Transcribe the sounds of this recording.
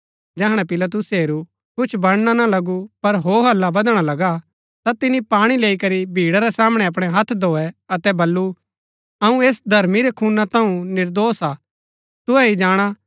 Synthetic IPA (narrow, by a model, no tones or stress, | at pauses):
d͡ʒɛːɦɽ̃apɪlat̪̬ʊseːɾu | kʊt͡ʃʰbɐɽ̃ñanalɐɡupɐɾɦoːɦɐlːabɐd̪ɽ̃alɐɡa | t̪at̪ɪnipaːɽ̃ileːikɐɾibʱiːɽaɾɛsaːməɽ̃ɛɐp̬ɽ̃ɛɦɐt̪ʰd̪ʱoːɛɐt̪ɛbɐlːu | ɐũeːsd̪ʱɐɾmiɾɛkʰuːnat̪ãũnɪɾd̪oːsaː | t̪ʊɛid͡ʒaːɽ̃a